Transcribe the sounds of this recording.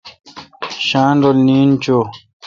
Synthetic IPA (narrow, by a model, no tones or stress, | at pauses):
ɕaːnɾolniːnt͡ɕo